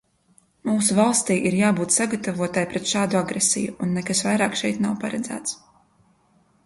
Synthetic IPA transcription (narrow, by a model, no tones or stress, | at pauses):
muːsuvalˠst̪iːʔiɾjaːbuːt̪saɡat̪avuɔt̪ajpɾɛt̪ʃaːd̪uaɡɾesḭjuunːɛkasvajɾaːkʃɛjt̪nawpaɾad̪zæ̰ːt̪s